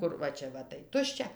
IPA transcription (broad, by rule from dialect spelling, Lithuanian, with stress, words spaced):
ˈkʊr ʋɐ ˈt͡ʃʲɛ ʋɐ tɐɪ ˈtʊʃʲt͡ʃʲɛ